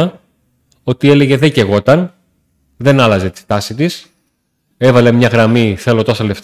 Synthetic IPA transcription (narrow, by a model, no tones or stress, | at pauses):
ɐ | o̞t̪ie̞le̞ʝe̞ðeceɣo̞t̪ɐn | ðe̞nɐlɐze̞t̪i̥st̪ɐsit̪is | e̞vɐlemɲɐɣɾɐmiθe̞lo̞t̪o̞sɐle̞ft̪